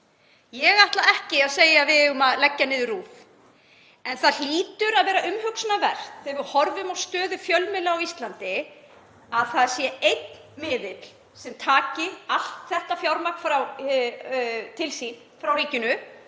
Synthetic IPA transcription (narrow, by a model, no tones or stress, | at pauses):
jɛɣaht̪laɛhcɪaðseːjavɪðʏmaðlɛcːanɪːðʏruːf | ɛnθaðl̥iːt̪ʏɾaðvɛːɾaʔʏmhʏksnavɛr̥t̪ɛvʏɾhɔɾvʏmawst̪œːðʏfjœlmɪlaawist̪lant̪ɪ | aðθaðsjɛejt̪̚nmɪːðɪt̪l̥ | sɛmt̪ʰaːcɪal̥t̪θɛht̪afjawɾmaknfɾaw | t̪ʰɪlsin | fɾawɾiːcʏnʏ